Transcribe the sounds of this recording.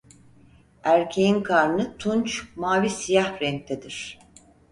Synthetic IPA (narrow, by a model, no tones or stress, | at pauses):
æɾcʰejinkʰaɾnɯt̪ʰunt͡ʃmaːvisijahɾɛn̚t̪ʰɛd̪iɾ̥